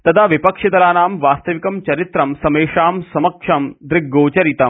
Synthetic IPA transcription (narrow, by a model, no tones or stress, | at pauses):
t̪ɐt̪ʰaʋipɐkʂɐd̪ɐlaːnaːmʋaːst̪ɐʋikɐmt͡ʃɐɾit̪ɾɐmsɐmeːʂaːmsɐmɐkʂɐmd̪ɾɪɡːoːt͡ʃɐɾit̪ɐm